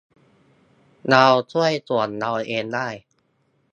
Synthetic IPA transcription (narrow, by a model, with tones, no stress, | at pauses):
na˧wt͡ɕʰu˥˩əjsu˨˩ənːa˧wʔeː˧ndaː˥˩j